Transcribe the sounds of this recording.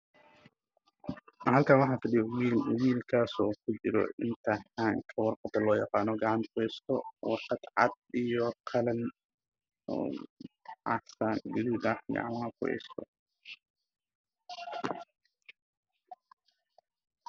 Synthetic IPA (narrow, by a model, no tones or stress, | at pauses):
hɐlkʰaːnwɑħɑːfɐɗɪjɔwiːlʊwiːlkʰaːsɔːkʰʊt͡ʃɪɾɔ̰ʔɪnt̪ʰɐħaːŋkʰɐwɑrqɑd̪ɐlɔːjɑqɑːnɔɡɑʕɑnt̪kʰʊhɛst̪ʰɔwɑrqɑt̪ʕɑ̰d̪̚ijɔqʰɑlɐn | ɔ̰ː | ʕɑ̰saɡɐðiːdaħɡɑ̰ʕ̰maːlkʰʊhɛ̰jst̪ʰɔ̰